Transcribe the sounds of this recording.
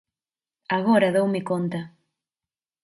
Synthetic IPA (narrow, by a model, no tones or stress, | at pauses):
aɣɔɾɐðowmɪkont̪ɐ